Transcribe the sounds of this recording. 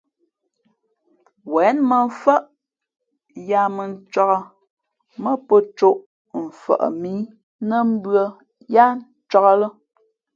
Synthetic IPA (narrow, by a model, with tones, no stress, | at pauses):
wɛ˨˦nmə˨ɱ̩˦fə˦ʔ | ja˦mə˨n̩˦t͡ʃɔ˦ɣə˦ | mə˦pə˦t͡ʃo˦ʔ | m̩˨fə̰˨ʔə̰˨mi˨˦ | nə˦m̩˦bɰə˦ | ja˦n̩˦t͡ʃɔ˦ɣə˦lə˦